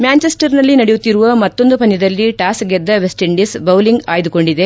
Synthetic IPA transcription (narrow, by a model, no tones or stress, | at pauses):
mjaːnt͡ʃesʈɐɾnɐlːinɐɽejut̪ːiɾuʋɐmɐt̪ːo̞nd̪upɐnːid̪ɐlːiʈaːsɡed̪ːɐʋesʈiɳɖisbɐwliŋɡaːjd̪uko̞ɳɖid̪e̞